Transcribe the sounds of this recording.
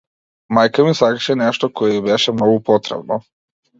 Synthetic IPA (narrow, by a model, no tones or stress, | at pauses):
majkamisakʃɛneʃt̪okojeibeʃɛmnoɡupot̪ɾḛbno